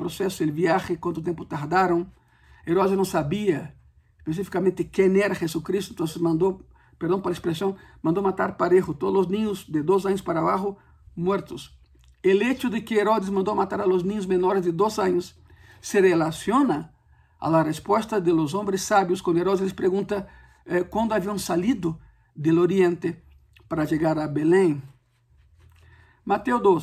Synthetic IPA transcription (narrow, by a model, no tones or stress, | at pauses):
pɾosesʊelβjaxɪkwãnt̪ʊt̪jẽmpʊt̪aɾd̪aɾõŋ | eɾodeznɐ̃w̃saβiɐ | espes̬ifi̥kamẽnt̪ɪkeneɾɐχesukɾist̪oent̪õnsesmãnd̪o | peɾd̪õpaɾlaespɾesjõŋmãnd̪omat̪aɾpaɾexʊt̪oðzloznĩɲʊzd̪ed̪os̬aɲʊspaɾaβaxʊ | mwɛɾt̪ʊs | elet͡ʃʊd̪ekeeɾod̪ezmãnd̪omat̪aɾaloznĩɲʊzmẽnoɾezd̪ed̪osãɲʊsː | erelasjonɐ | a̰larespwest̪ɐd̪elozõmbɾesːabjoskwãnd̪oeɾod̪esspɾeɣũnt̪ɐ | ɛkwãnd̪oaviɐŋsalid̪ʊ | d̪eloɾiẽnt̪e | paɾaʒeɣaɾabelẽŋ | mat̪ewd̪o